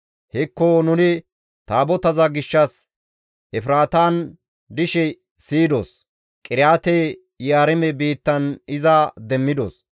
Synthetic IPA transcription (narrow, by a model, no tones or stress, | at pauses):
hɛkːonʊnɪ | t̪aːbɔt̪ɐzɐɡɪʃːɐs | ʔɛfɪɾaːt̪aːn | d̪ɪʃɛ | siːd̪o̰ːs | kʼɪɾjaːt̪ɛ | jaːɾɛmɛbiːt̪ːɐnɪzɐd̪ɛmːɪd̪o̰ːs